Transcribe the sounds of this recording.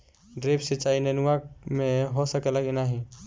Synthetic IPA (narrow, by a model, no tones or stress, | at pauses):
ɖɾeːpset͡ʃaːinenʊamẽɦosəkələɡɪnaɦi